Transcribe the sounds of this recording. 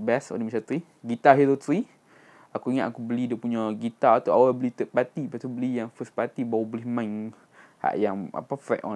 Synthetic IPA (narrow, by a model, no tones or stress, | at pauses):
bɛsɔ̰dimat͡ʃat̪ɾi | ɡit̪aɦeɾot̪ɾi | akuiŋaʔ̪akubəlidəpuɲaɡit̪aat̪aawabəlit̪əʔpat̪ipast̪ubəlijaŋfəspat̪ibawabolɪhmãŋ | ha̰ʔjaŋa̰pafɛʔɔ̰